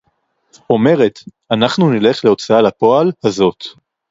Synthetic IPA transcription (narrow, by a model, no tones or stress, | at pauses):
o̞me̞ʁe̞t̪ | anaχnunile̞χle̞o̞t͡saalapo̞alhazo̞t̪